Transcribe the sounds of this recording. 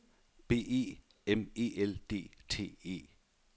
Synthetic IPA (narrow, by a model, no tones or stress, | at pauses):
b̥e̝̰ːḛ | emeːeld̥e̝̰ːtʰe̝̰ːḛː